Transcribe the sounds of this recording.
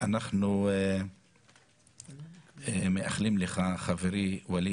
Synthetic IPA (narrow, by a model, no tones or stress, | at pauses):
anaχnu | meʔaχlimleχaχaveɾiwali